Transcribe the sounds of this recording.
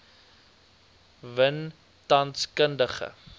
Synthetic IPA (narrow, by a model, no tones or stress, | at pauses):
vən | tɐnskəndəχə̰